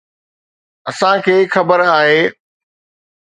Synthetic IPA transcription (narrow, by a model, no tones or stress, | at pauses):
ɐsãkʰeːxɐbəɾaːɦeː